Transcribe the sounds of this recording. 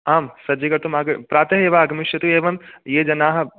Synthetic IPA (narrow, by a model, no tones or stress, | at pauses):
aːmsɐd͡ʒikɐɾt̪umaːɡɐpɾaːt̪ɐɦeːʋaːɡɐmɪʃjɐt̪ueːʋɐmjeːd͡ʒɐnaːɦɐ